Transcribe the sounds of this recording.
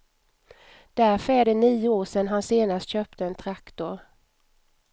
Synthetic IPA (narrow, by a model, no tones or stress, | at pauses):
d̪̥æɾfœɾæːɖɛniːʊoːʂɛnɦanseːnast̪ɕœːp̚t̪ʰəɛnt̪ʰɾakt̪ʊɾ